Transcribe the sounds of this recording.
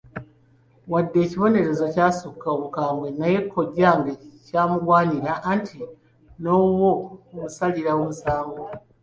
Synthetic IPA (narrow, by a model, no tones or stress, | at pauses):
wadːe̞ːciβo̞ne̞ɾe̞zo̞caːsukːaoβukaːmbwe̞naje̞kʰːo̞ɟaŋɡacaːmuɡwaːɲiɾaʔːntʰi | no̞womusaliɾaomusaːŋɡo